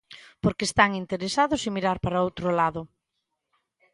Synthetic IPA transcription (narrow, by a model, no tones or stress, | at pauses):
poɾkeːst̪aŋint̪eɾesaðʊsimiɾaɾpaɾaowt̪ɾolaðʊ